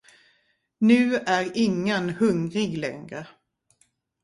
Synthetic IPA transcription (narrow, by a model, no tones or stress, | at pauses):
nʉ̟ːæɾɪŋːənhɵŋɾɪɡlɛ̰ŋɾə